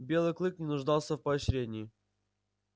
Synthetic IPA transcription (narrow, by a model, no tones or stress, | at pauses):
bʲe̞lˠɨjklˠɨknʲɪnʊʐd̪ɑlˠsʲəfpəɐɕɾʲedʲnʲɪː